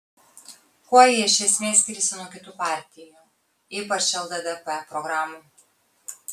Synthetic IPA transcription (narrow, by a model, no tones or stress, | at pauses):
kuɔjɛjɛʃʲɛsʲmʲeːsʲkʲiːɾʲsʲɪnuɔkʲɪt̪uːpɑːˑɾʲt̪ʲɪjuː | ipɐt͡ʃʲʃʲɛlˠd̪ɐd̪ɛpɛpɾɔɡɾɑːmu